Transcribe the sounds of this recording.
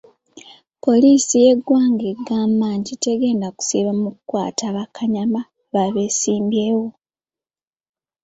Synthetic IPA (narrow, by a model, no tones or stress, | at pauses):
po̞lisije̞ɡwaːŋɡeɡaːmaːɲɟite̞ɡe̞ːndaku̥siβamukukwa̰ːtaβakʰaɲama | βaβe̞ːsiːmbjeːwo̞